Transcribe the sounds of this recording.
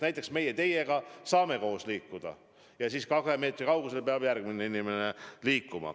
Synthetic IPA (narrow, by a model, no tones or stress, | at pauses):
næjt̪ːˑe̞ksme̞jet̪e̞je̞ɡ̥ɑsɑːme̞ko̞ːsliːkːud̪̥ɑ̰ | jɑsiːskɑkheme̞ːt̪ˑɾikɑwɡuselpeɑb̥jærɡ̚mineinimeneliːkːumɑ̰